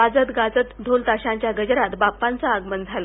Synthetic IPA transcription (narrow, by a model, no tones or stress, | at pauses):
ad͡zət̪ɡad͡zət̪d̪ʱolt̪aɕãɲt͡ɕjaɡəd͡ʑəɾat̪bapːãnt͡saəɡmənd͡zʱal